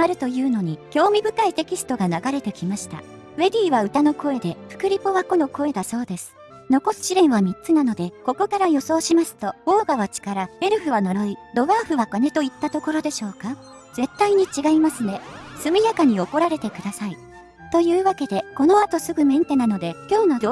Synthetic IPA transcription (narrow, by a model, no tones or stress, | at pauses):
aɾɯ̟t̪o̞jɯ̟ːno̞ɲ̟ikʲo̞ːmʲibɯ̟kait̪e̞kʲisɨ̥t̪o̞ɡanaɡaɾe̞t̪e̞kʲimaɕi̥t̪a̰ | βe̞ɾʲiːβaɯ̟t̪ano̞ko̞e̞d̪e̞ɸɯ̟̥kɯ̟ɾʲipoβako̞no̞ko̞e̞d̪aso̞ːd̪e̞sɨ̥ | no̞ko̞sɨ̥ɕiɾẽ̞ɰ̃βamʲitt͡sɨnano̞d̪e̞ko̞ko̞kaɾajo̞so̞ːɕimasɨ̥t̪o̞o̞ːɡaβat͡ɕi̥kaɾae̞ɾɯ̟ɸɯ̟βano̞ɾo̞id̪o̞βaːɸɯ̟βakone̞t̪o̞it̪ːat̪o̞ko̞ɾo̞d̪e̞ɕo̞ːka | z̥e̞t̪ːaiɲ̟it͡ɕiɡaimasɨne̞sɨmʲijakaɲ̟io̞ko̞ɾaɾe̞t̪e̞kɯ̟d̪asai | t̪o̞jɯ̟ːβake̞d̪e̞ko̞no̞at̪o̞sɨɡɯ̟mẽ̞nt̪e̞nano̞d̪e̞kʲo̞ːno̞